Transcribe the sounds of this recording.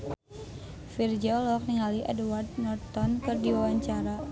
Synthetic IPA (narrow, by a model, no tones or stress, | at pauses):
fird͡ʒiɔlɔk̚niŋaliʔɛ̰dwart̪̚nɔrt̪ɔnkɨrdiwawaɲt͡ʃaɾa